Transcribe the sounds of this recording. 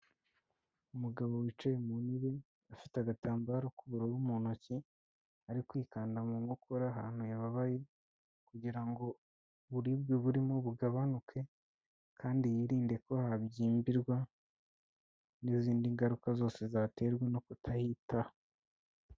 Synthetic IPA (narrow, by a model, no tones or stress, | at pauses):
umuɡaβo̞wit͡ʃajemuniβi | afitaɡataːmbaɾokuβuɾowumunoci | aɾikwiːkaːndamuŋokʰoɾaɦa̰ːn̥hujaβaβaje | kuɟiɾaŋɡo̞ | βuɾibɡoβuɾimo̞βuɡaβanukʰe̞ | kʰaːndijiɾiːnde̞ko̞habɟiːmbiɾɡwa | niziːndiŋɡaɾukazo̞ːse̞zate̞ɾɡweno̞kutʰahita